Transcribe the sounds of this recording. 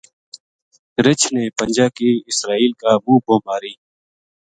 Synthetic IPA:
ɾɪt͡ʃʰnepə̃nd͡ʒaːkiɪsɾaːiːlkaːmũːbʱoːmaːɾiː

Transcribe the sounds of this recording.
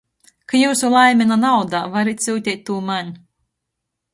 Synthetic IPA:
kajuːsulˠajmʲɛnanawd̪aːvaɾit̪ʲsʲuːt̪ʲɛt̪̚ʲt̪ːuːmanʲ

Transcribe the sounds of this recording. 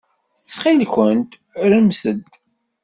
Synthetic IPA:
θət͡sːχinkʷənt̪ | ɾəmsəd̪

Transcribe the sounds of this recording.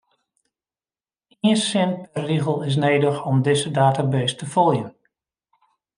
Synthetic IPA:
iəsɪnpɛrriɣəlˠɪs̬neːdəxɔmdɪzədaːtabeːstəfɔlˠjən

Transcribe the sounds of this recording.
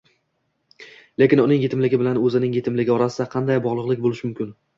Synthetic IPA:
lekʲɪnʊnɪŋjet̪ʰɪmlɪɡʲɪbɪlanɵzɪnɪŋjet̪ʰɪmlɪɡʲɪɒɾasɪd̪aqʰɑnd̪ajbɒʁlˠɨqlˠɪkʲbolɪʃɪmʊmkʲʰɪn

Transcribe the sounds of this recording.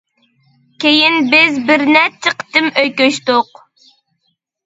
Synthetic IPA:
kʲʰejɪnbɪzbɪɾnɛt̪̚t͡ʃʰːəqʰt̪ɨmøjkʲøʃt̪ʊq

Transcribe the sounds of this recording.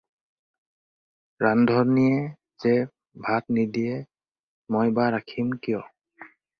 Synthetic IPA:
ɹandʱɔnijɛ | zɛ | bʱatnidiɛ | mɔjbaɹakʰimkijɔ

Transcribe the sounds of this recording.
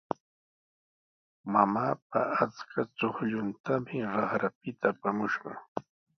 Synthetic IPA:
mamaːp̚aat͡skʰat͡ʃoχʎʊnt̪amɪɾɑχɾap̚ɪt̪ʰaːpamʊʃɢɑ̰

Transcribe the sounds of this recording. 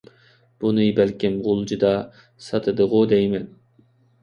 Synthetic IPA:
b̥unɨbælkʲimʁʊlˠd͡ʒid̪ɑ | sɑt̪ʰɨd̪əʁʊd̪ɛjmɛn

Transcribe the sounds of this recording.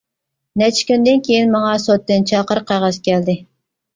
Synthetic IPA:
nɛt͡ʃʰi̥kʲynd̪ɪnkʲʰejinmɑŋɑsot̪ːɨnt͡ʃʰɑqəɾɨqʰɑʁɑskʲɛld̪ɪ

